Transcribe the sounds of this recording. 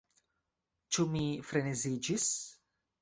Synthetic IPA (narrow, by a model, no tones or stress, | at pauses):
t͡ʃumifɾenezid͡ʒis